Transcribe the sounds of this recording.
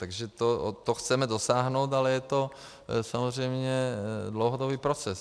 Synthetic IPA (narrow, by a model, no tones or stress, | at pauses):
t̪aɡʒɛt̪ot̪oxt͡sɛmɛdosaːɦnowt̪alɛjɛt̪o | samozr̝ɛjmɲɛdlowɦodobiːpɾot͡sɛs